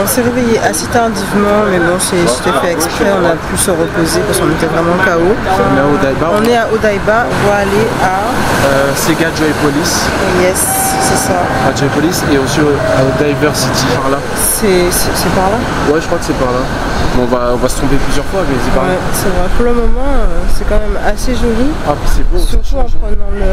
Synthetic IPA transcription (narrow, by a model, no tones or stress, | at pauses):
ɔ̃sɛʁevejeʔaset̪aʁd̪ivmɑ̃mɛbɔ̃sɛt̪u̥t̪afɛɛkspχɛɔ̃napysəʁəpozepaskɔ̃net̪ɛvʁɛmɑ̃kaoɔ̃nɛaod̪ajbaɔ̃nɛaʔod̪ajbãvwaːlea | øseɡad͡ʒɔjpɔlis | jɛsː | ɛsa | ɡad͡ʒajpɔliseɔ̃sioaod̪ajvœʁsid̪ipaʁla | sɛsɛsɛpaʁla | wɛʒə̥kχwakə̥sɛpaʁla | mɔ̃vaɔ̃vasə̥t̪ʰɔ̃beplyzjœʁfwamɛsɛpaʁɛsɛvʁɛpuʁləmɔmɑ̃øsɛkɑ̃mɛmaseʒoli | abasɛbosyʁt̪uɔ̃pχənɑ̃lə